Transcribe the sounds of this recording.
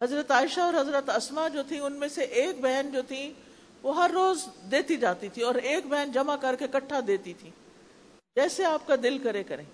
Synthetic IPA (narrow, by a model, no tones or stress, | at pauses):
ɦɐzɾət̪aːɪʃaɔːɾɦɐzɾət̪ɐsmad͡ʒoːt̪ʰĩʊnmẽseʔeːk̚bɛɦnd͡ʒoːt̪ʰĩ | ʋoɦɐɾːoːzd̪eːt̪id͡ʒaːt̪it̪ʰiɔːɾeːkbɛɦənd͡ʒɐmakɐɾkekɐʈʰːad̪eːt̪it̪ʰĩː | d͡ʒɛːseaːp̚kad̪ɪlkɐɾekɐɾẽː